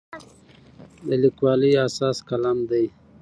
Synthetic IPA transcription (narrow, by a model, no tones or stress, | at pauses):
d̪əlikwɑliasɑːskalamd̪aj